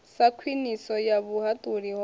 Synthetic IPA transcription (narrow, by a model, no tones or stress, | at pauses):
sakʰwinisɔjaβuɦat̪ʼuɾiɦɔ